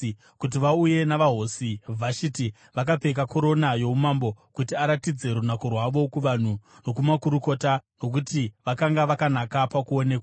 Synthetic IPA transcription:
kut̬iʋauje̞naʋaɦosivʱaʃiti | ʋak̬ape̞k̬ako̞ɾo̞najo̞umambo̞kutiaɾatid͡ze̞ɾunakorwaʋo̞kuʋan̤uno̞kumakuɾuko̞ːtano̞k̬utiʋakaŋɡaʋakanakapakuo̞ne̞ːkwa

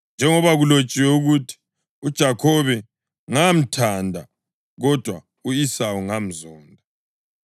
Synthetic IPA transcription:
nd͡ʒʱɛŋɔβaɣulot͡ʃʼiwɛuɣutʰi̥ | ud̥ʒ̥ʱakʰɔβɛ | ŋam̩tʰandʱa̰ | ɣɔd̥ʱwa | uisawuŋam̩zɔːndʱa

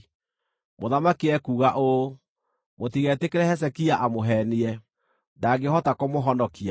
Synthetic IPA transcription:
moðamakiɛkuːɣaʔo | motiɣɛtekeɾɛhɛs̬ɛkiaʔamoɦɛniɛ | daɡehɔtakomoɦɔnɔkia

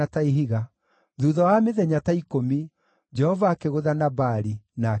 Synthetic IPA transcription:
ataiɦiɣa | ðuðɔwameðɛɲataikomi | d͡ʒɛhɔvaːkeɣoðanabaɾina

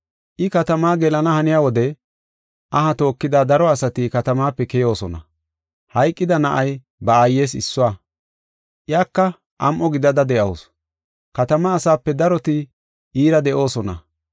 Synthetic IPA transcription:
ʔɪkɐt̪ɐmaːɡɛlɐnɐhɐnɪjaːwɔd̪ɛ | ʔɐɦɐt̪o̞ːkːɪd̪aːd̪ɐɾɔɐsɐt̪ɪkɐt̪ɐmaːpːɛkɛjo̞ːsɔnɐ̰ | hɐjkʼːɪd̪ɐnɐʔɐj | bɐaːjːe̞ːsɪ̰sːʊaː | ʔjaːkːɐ | ʔɐmʔɔɡɪd̪ɐd̪ɐd̪ɛʔɐws | kɐt̪ɐmɐːsaːpːɛd̪ɐɾɔt̪ɪ | iːɾɐd̪ɛʔo̞ːsɔnɐ̰

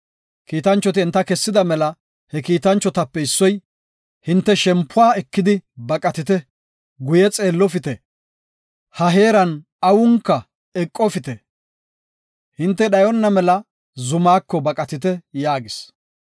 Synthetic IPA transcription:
kiːt̪ɐnt͡ʃːɔt̪ɪɛnt̪ːɐkɛsːɪd̪ɐmɛlɐ | hɛkiːt̪ɐnt͡ʃːɔt̪ɐpːɛɪsːɔj | hɪnt̪ːɛʃɛmpːʊaːɛkːɪd̪ɪbɐkʼɐt̪ɪt̪ɛ | ɡʊjɛt͡sʼe̞ːlːɔfɪt̪ɛ | hɐɦe̞ːɾɐn | ɐwʊŋkːɐ | ɛkʼːɔfɪt̪ɛ | hɪnt̪ːɛɗɐjɔnːɐmɛlɐ | zʊmaːkːɔbɐkʼɐt̪ɪt̪ɛjaːɡɪs

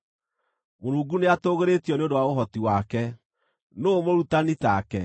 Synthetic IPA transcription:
moɾuːɡuneatoɣeɾetiɔneondowaoɦɔtiwakɛ | noːmoɾutanitakɛ

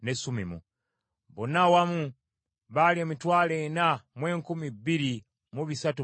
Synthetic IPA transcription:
nesumimṵ | βonawamu | βalieːmitwaːlenamwe̞ːŋkumibːiɾi | muβisatu

